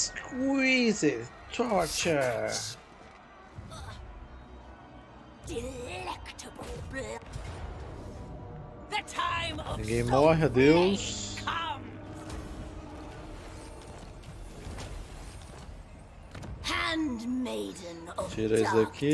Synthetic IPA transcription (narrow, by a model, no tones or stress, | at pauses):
skʰwizɪ | t̪ʰɔɹt͡ʃə | d̥ɪlɛktʰəbəlˠblɪ | ðətʰaɪ̃mʌɡẽmɔɦəd̪ewskʰʌm | hæ̃ndmeɪdⁿn̩t͡ʃʰiɾezd̪ɐkʰi